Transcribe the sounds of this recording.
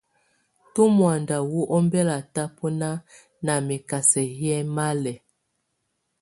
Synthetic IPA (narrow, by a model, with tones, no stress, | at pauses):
tu˦mwa˨nda˨wu˦ʔɔ˦mbɛ˦la˨ta˦pɔ˦na˦ | na˨mi˨ka˨sɛ˨hjɛ˦ma˦lɛ˨